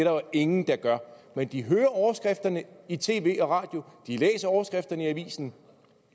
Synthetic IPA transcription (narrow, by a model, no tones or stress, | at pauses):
d̥eɾ̥ɐʋɑe̝ŋn̩d̥ɑ̈ɡ̥ɶɐmend̥iɦøːɐɒʊɐsɡ̥ʁɛfd̥ɐnəit͡sʰe̝̰ːʋe̝̰ːɒ̽ʁɑ̰̈ːd̥jo̝d̥ilḛːsɐɒʊɐsɡ̥ʁɛfd̥ɐnəiæʋḭːsn̩